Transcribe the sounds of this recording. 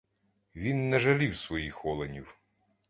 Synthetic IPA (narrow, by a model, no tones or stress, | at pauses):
ʋʲinːɛʒɐlʲiwsʋɔjixɔlˠenʲiw